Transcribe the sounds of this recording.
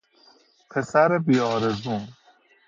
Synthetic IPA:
pʰesaɾebiɒːɾezuːn

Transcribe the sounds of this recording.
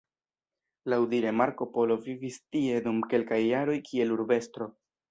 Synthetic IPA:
lawdiɾe̞maɾko̞po̞lo̞vivistie̞dumke̞lkajːaɾo̞jkʰie̞luɾbe̞stɾo̞

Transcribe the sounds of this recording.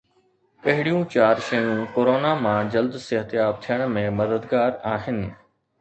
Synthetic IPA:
pɐɦɪɽijũt͡ɕaːɾʃəjũːkoːɾoːnamãːd͡ʑɐld̪sɪɦət̪jaːb̚t̪ʰijəɽ̃mẽmɐd̪əd̪ɡaːɾaːxɪnɪ

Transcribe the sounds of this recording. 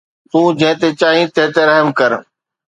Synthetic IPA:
t̪ũːd͡ʑɐ̃ɦɪ̃t̪et͡ɕaːɦĩt̪ẽːt̪eɾəɦəmkəɾ

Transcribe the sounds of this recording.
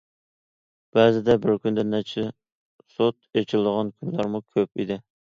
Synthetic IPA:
b̥ɛzɪd̪ɛbɪɾkʲynd̪ɛnɛt͡ʃʰɪ | sot̪̚et͡ʃʰilɪd̪əʁɑnkʲʰynlɑɾmukʲʰøpḭd̪ɪ

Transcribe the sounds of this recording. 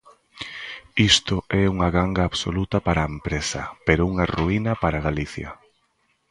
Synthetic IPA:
ist̪ʊʔɛuŋɐɣaŋɡaːβso̰lut̪ɐpaɾaempɾesɐ̰peɾouŋaruinɐpaɾaɣaliθjɐ̰

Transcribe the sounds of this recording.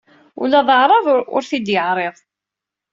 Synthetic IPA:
ṵlːæðˤəʕɾˤɑðˤʊ̰ɾθid̪jəʕɾˤeðˤ

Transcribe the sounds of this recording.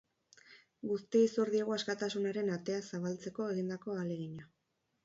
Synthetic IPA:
ɡust̪iisoɾðiaɣ̞o̞askat̪asunaɾe̞nat̪e̞asaβalt͡se̞ko̞e̞ɣind̪ako̞ale̞ɣiɲa

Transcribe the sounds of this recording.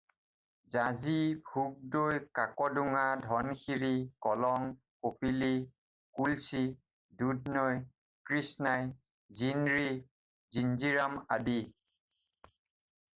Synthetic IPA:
zazibʱuɡ̚dojkakɔduŋadʱɔnkʰiɹikɔlɔŋ | kopili | kulsi | dudnɔj | kɹisnaj | zinɹi | zinziɹamadi

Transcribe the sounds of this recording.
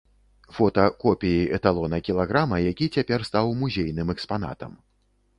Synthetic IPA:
fɔt̪ɐkɔpʲijiʔɛt̪alˠɔnɐkʲilˠaɣɾamɐjakʲit͡sʲapʲɛrst̪awmuzʲejnɨmɛkspan̪a̰t̪ɐ̰m

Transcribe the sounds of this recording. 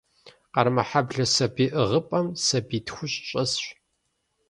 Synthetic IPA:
qɐrmɐħabɮɐsɐbiːʔɨʁəpʼɐmsɐbiːtxʷʊɕʼɕʼɐsɕ

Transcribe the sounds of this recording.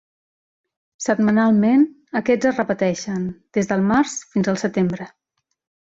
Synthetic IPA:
səd̪̚mənalˠmen | əkɛd͡zərəpət̪ɛʃənd̪̥ezðəlˠmaɾsfinzəlˠsət̪embɾə

